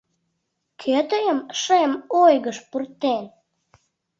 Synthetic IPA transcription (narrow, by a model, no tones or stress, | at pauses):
kʰøt̪əjəmʃemojɣəʃpurt̪en